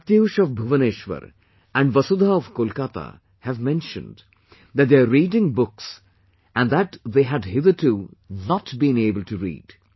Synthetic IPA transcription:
t̪eʊʃɔʋbʱuʋəneːʃʋə̰ɾ | æ̃ɳɖʋʌsud̪ʱaɔʋkolkat̪a̰ | hæʋmɛ̃nʃə̰̃nd | d̪æʈ̚d̪eɾiːɖɪ̃ŋbʊks | æ̃nd̪æʈðeːɦæɖɦɪðəɾʈʰunɔʈbĩneːbəlʈuɾḭːɖ̥

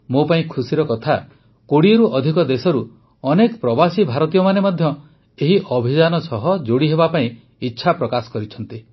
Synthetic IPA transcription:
mopaĩkʰusiɾɔkɔt̪ʰa | koɽieɾuʔɔd̪ʱikɔd̪esɔɾu | ɔnekɔpɾɔbasibʱaɾɔt̪ijɔmanemɔd̪ʱjɔ | eɦiʔɔbʱid͡ʒanɔsɔɦɔd͡ʒoɽiɦebapaĩ | itːʃʰapɾɔkasɔ̥kɔɾit͡ʃʰɔnt̪i

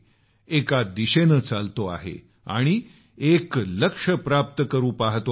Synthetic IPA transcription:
ekad̪iɕenət͡salt̪oa̰ɦḛ | a̰ɽ̃i | ekləkʂəpɾap̚t̪əkəɾuːpaɦt̪o

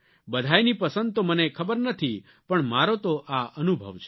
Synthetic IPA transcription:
bəd̪ʱajnipəsə̃nd̪̚t̪omənekʰəbəɾnət̪ʰi | pəɳmaɾot̪oʔaʔənubʱə̰ʋt͡ʃʰe

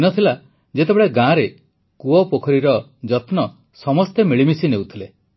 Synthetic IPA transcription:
inɔt̪ʰila | d͡ʒet̪ebeɭeɡãɾe | kuɔpokʰɔɾiɾɔd͡ʒɔt̪nɔ | sɔmɔst̪emiɭimisinewt̪ʰile

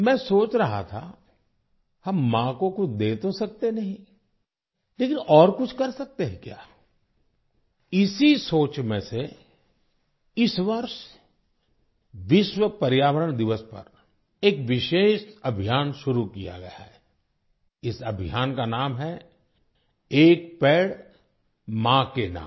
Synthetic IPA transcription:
mɛ̃ːsoːt͡ʃɾɐɦa̰t̪ʰa̰ | hɐmːãːkõkʊd̪eːt̪osɐk̚t̪enɐɦĩ | leːkɪnɔːɾkʊt͡ʃʰkɐɾsɐk̚t̪eɦɛ̃kja̰ː | ɪsisoːt͡ʃmẽse | ɪsʋɐɾʃ | ʋɪʃwəpɐɾjaːʋəɾəɳd̪ɪʋəspɐ̰ɾ | eːkʋɪʃeːʃɐbʱijaːnʃʊɾukija̰ɡɐ̰ja̰ɦɛ | ɪsɐbʱɪjaːnkanaːmɦɛ | eːk̚pɛːɽ | mãːkenã̰ːm

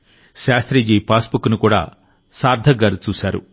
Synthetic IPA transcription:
ʃaːst̪ɾid͡ʒiːpaːsbukːunukuːɽa̰ː | saːɾd̪ʱɐɡaːɾut͡ʃuːsaːɾṵ

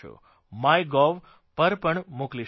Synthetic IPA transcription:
o̰ | majɡɔʋ | pəɾpəɳmokli

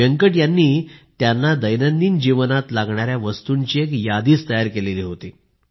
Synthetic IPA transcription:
əŋkəʈjanːiːt̪janːad̪əjnənd̪iːnd͡ʑiʋənat̪laɡɳaɾjaʋəst̪uɲt͡ɕiːekjad̪iːst̪əjaɾkeleliːɦot̪ḭː

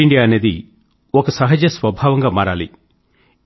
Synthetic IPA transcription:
iɳɖijaːɐneːd̪i | ɔkɐsɐɦɐd͡ʒɐsʋɐbʱaːʋɐŋɡaːmaːɾaːlḭ

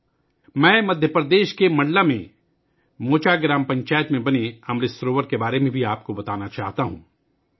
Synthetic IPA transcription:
mɛ̃ːmɐd̪ʱjəpɾəd̪eːʃkemɐ̃ɳɖlamḛ̃ | moːt͡ʃaɡɾaːmpɐ̃ɲt͡ʃaːjət̪mẽbɐneɐmɾesɾoːʋəɾkebaːɾemẽbʱiaːp̚kobɐt̪aːnat͡ʃaːɦt̪aɦṵ̃ː

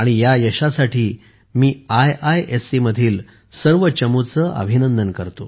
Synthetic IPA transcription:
aɽ̃ijajəɕasaʈiː | miːajajʔesiməd̪ʱiːl | səɾʋət͡ɕəmut͡səʔə̰bʱinənd̪ənkəɾt̪o

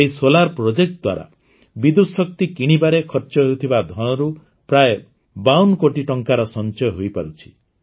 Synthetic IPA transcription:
eisolaɾpɾod͡ʒek̚ʈ̚d̪wa̰ɾa̰ | bid̪usɔk̚t̪ikiɽ̃ibaɾekʰɔɾt͡ʃɔɦeut̪ʰibad̪ʱɔɽ̃ɔɾu | pɾaje | bawnkoʈiʈɔŋkaɾɔsɔnt͡ʃɔjɔɦojpaɾut͡ʃʰi̥

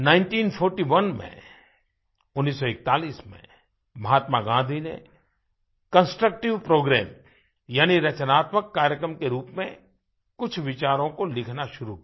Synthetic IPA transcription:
nãːɪ̃ɳʈiːnpʰɔːɾʈiʋɐnmḛ̃ | ʊnːiːsːɔɪk̚t̪aːliːsmḛ̃ | mɐɦaːt̪maɡãːd̪ʱinḛ | kə̃nsʈɾək̚ʈɪʋpɾoːɡɾɛːm | jaːniɾɐt͡ʃənaːt̪məkːaːɾjəkɾəmkeɾuːpmẽ | kʊt͡ʃʰʋɪt͡ʃaːɾõkolɪkʰnaʃʊɾu

